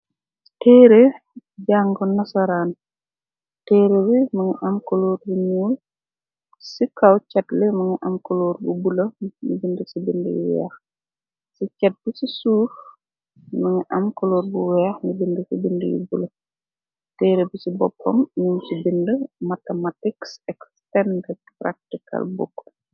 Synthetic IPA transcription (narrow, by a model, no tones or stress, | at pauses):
tɛːɾe | ɟaːŋɡɔnɐsɐɾaːn | tɛːɾewimɐŋiʔɐmkoloːɾbuɲuːl | sikawcɐtlɛmɐŋiʔamkoloːɾbubulɐmḭbindəsibində̰jṵwɛ̰ːx | sicɛt̚bisisuːf | mɐŋəʔɐmkɔloːrbuwɛxɲibindəsibindəjṵbulɐ | tɛɾebisibɔpːɔmɲuɲsibindəmatɐmatiksɛkstɛndɛ | prak̚tikʰɐ̰lbṵkː